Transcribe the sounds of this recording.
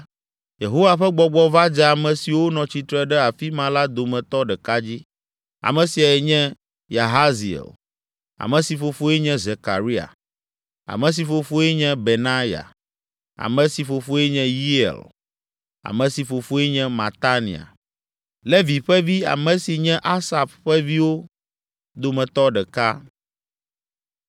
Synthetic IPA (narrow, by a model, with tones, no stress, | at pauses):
je˨ɦo˦wa˨ɸɛ˦ɡ͡bɔ˦ɡ͡bɔ˦va˦d͡ʒɛ˦a˨mɛ̃˨si˨wo˦nɔ̃˨t͡ɕi˨t̪ɾɛ˦ɖɛ˦a˨fi˦mã˨˦la˦d̪o˨mɛ̃˨t̪ɔ˦ɖɛ˨ka˦d͡ʑi˦ | a̰˨mɛ̃˨si˨a˨ɛ˨ɲɛ̃˦ | ja˨ɦa˦zi˨ḛ˨l | a̰˨mɛ̃˨si˨fo˨fo˦ɛ˦ɲɛ̃˦ze˨ka˨ɾi˦a̰˨ | a̰˨mɛ̃˨s̬i˨fo˨fo˦ɛ˦ɲɛ̃˦be˨nã˦ja̰˨ | a̰˨mɛ̃˨si˨fo˨fo˦ɛ˦ɲɛ̃˦ji˦ḛ˨l | a̰˨mɛ̃˨si˨fo˨fo˦ɛ˦ɲɛ̃˦ma˨t̪a˦nḭ˨a̰˨ | le˦vi˨ɸɛ˦vi˦a̰˨mɛ̃˨si˨ɲɛ̃˦ʔa˦sa˨bɸɛ˦vi˦wo˦ | d̪o˦mɛ̃˨t̪ɔ˦ɖɛ˨ka˦